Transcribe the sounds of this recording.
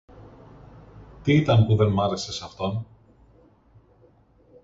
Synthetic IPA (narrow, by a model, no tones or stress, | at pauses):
t̪iit̪ɐnpuðe̞nmɐɾe̞se̞sɐft̪o̞n